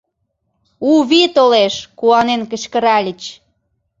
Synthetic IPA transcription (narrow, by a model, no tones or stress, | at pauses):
uβit̪oleʃkuɑnenkə̆t͡ɕkə̆ɾɑlʲət͡ɕ